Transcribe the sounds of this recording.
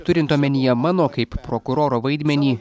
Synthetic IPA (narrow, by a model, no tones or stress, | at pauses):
t̪ʊɾʲɪnt̪oːmʲɛnʲɪjɛmɑːnoːkɐɪppɾoːkʊɾoːɾoːʋɐɪd̪ʲmʲɛnʲiː